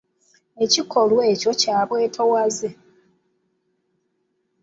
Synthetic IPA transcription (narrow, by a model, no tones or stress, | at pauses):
e̞ciko̞lwe̞ːco̞caːβwe̞ːtʰowaze